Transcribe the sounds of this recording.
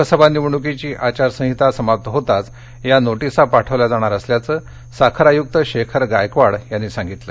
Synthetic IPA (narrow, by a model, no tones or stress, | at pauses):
əsəbanːiʋɳ̃uk̬it͡ɕiːʔat͡ɕaɾsə̃ɦit̪asəmap̚t̪əɦot̪at͡s | janoʈisapaʈʰəʋlad͡zaɽ̃aɾəsljat͡səː | sakʰəɾajuk̚t̪əɕekʰəɾɡajkʋaɽjanːisãŋɡit̪lə